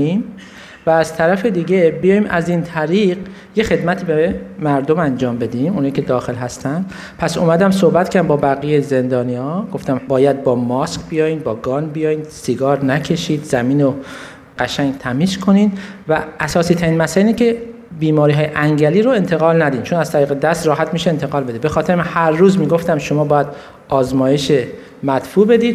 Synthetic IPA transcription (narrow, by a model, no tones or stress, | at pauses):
im | væːzt̪ʰæɾæfed̪iːɟe̞bijɒːjiːmʔæzint̪ʰæɾiːɢ | je̞xe̞d̪mæt̪ʰiːbemæɾd̪o̞mænd͡ʒɒːmbe̞d̪imunhɒjikcʰe̞d̪ɒːxe̞lɦæst̪ʰænd̪̥ | pʰæsomæd̪æmsohbæt̪kʰææmbɒːbæɣijejze̞nd̪ɒːniːɒːɡo̞ft̪æmbɒːjæd̪̚bɒːmɒskbijɒːjiːnbɒːɡɒːnbijɒːjiːnsiɡɒːɾnæcʰe̞ʃiːd̪zæmiːno | ɢ̥æʃæŋɡt̪ʰæmiːskʰo̞niːd̪væʔːsɒːsiːt̪ʰæɾiːnmæsæliːnicʰe | biːmɒːɾiːɦɒːjeʔæŋɟæliːɾoe̞nt̪ʰe̞ɣɒːlnæd̪iːnt͡ʃʰonæz̥t̪ʰæɾiːɣe̞d̪æst̪ɾɒːɦæt̪miːʃeent̪ʰeɣɒːlb̪ebe̞xɒːt̪ʰeɾemhæɾːuːzmiːɡo̞ft̪æmʃomɒːbɒːjæd̪ | ɒːzmɒːje̞ʃe | mæt̪fuːbe̞d̪iːd̪